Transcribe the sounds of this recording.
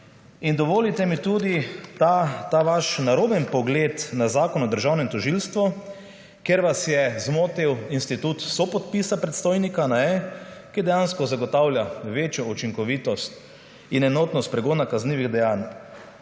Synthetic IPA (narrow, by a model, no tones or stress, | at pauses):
ind̪ɔʋoːlit̪ɛmit̪uːd̪it̪at̪aʋaʃnaɾoːbɛnpɔɡlet̪nazaːkɔnɔd̪əɾʒawnɛmt̪ɔʒilst̪ʋɔ | kjeɾʋasjɛzmoːt̪iwinst̪it̪ut̪sɔpɔt̪pisapɾɛt̪st̪oːjnikanaɛkid̪ɛjanskɔzaɡɔt̪awlʲjaʋeːt͡ʃjɔut͡ʃiŋkɔʋiːt̪ɔst̪ | inɛnoːt̪nɔst̪pɾɛɡoːnakazniːʋiɣd̪ɛjaːn